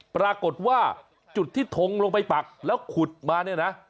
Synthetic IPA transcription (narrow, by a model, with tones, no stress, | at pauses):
pɾaː˧ko˨˩t̪̚waː˥˩ | t͡ɕu˨˩t̪ʰːiː˥˩t̪ʰo˧ŋloː˧ŋp̬a˧jpa˨˩k̚lɛː˦˥wkʰu˨˩t̪̚maː˧ni˥˩ɐna˦˥ʔ